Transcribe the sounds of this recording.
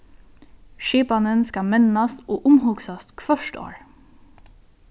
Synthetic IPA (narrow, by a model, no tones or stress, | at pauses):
ʃiːpɑnənskɑmɛnɑst̪oːʔʊmhuːɡsɑst̪kʰʋœʃto̰ːɹ